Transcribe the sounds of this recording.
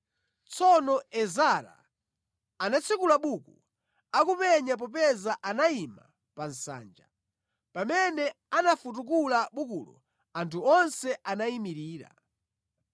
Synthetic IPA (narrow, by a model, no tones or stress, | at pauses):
t͡sʰɔnɔɛzaɾa̰ | anat͡sʰikulaɓuku | akupɛɲap̬ɔp̬ɛzaʔanaima̰ | pan̩sa̰ːnd͡ʒa | pamɛnɛanafut̬uk̬ulaɓukṵlɔ | antʰuɔnsɛʔanaimiɾiːɾa̰